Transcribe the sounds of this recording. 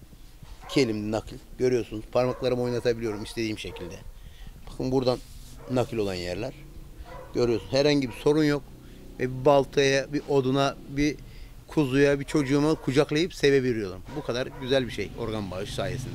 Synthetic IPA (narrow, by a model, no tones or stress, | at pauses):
cʰelʲimd̪ɛnakʰlʲɟ̥ø̞ɾyjo̞ɾsunuz̥pʰaɾmaklˠaɾɯmo̞jnˠat̪ʰabilʲijo̞ɾumist̪ʰe̞d̪iːmʃe̞cʰilʲd̪ɛb̥akʰɯnbuɾd̪anːakʰɯlʲo̞lˠanjæɾlʲæɾ̥ɟø̞ɾyjo̞sunhɛɾhaɲɟibiso̞ɾunjo̞k | vɛbibalˠt̪ʰajabiʔo̞d̪unabi | kʰuzujabit͡ʃʰo̞d͡ʒuːmakʰud͡ʒaklˠajɯpse̞veveɾijo̞ɾumbukʰad̪aɾɟyzælʲbiʃejo̞̰ɾɡanbaɯʃsaːjesind̪ɛ